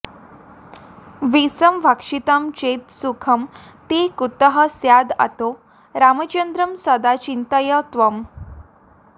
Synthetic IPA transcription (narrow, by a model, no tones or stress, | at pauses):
ʋisəmʋʱakʂit̪amt͡ɕet̪sukʰəmt̪ekut̪əɦəsjad̪a̰t̪o | ɾamət͡ɕənd̪ɾəmsəd̪at͡ɕint̪əjət̪ʋəm